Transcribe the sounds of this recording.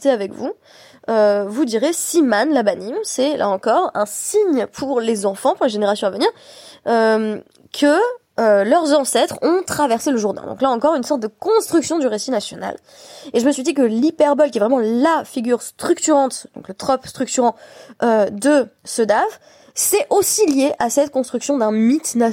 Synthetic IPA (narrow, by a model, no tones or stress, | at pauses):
t̪eavɛkvu | øvud̪iʁesimanlabanimsɛlʔa̰ɑ̃kɔʁɛ̰̃siɲpʰuʁlezɑ̃fɑ̃puʁleʒeneʁasjɔ̃avəniʁøm | kʰə | ølœʁzɑ̃sɛt̪χɔ̃t̪χavɛʁseləʒuʁd̪ɛ̰̃d̪ɔ̰̃klaɑ̃kɔʁynsɔʁt̪̚d̪əkɔ̃st̪χyksjɔ̃d̪yʁesinasjɔna̰l | eʒəməsɥid̪ik̬əlipɛʁbɔlkʲiɛvʁɛmɑ̃lafiɡʲyʁst̪χyk̚t̪yʁɑ̃t̪d̪ɔ̰̃klət̪χɔpst̪χyk̚t̪yʁɑ̃ʔød̪əsəd̪av | sɛʔosiljeʔasɛt̪kɔ̃st̪χyksjɔ̃d̪ɛ̃mit̪na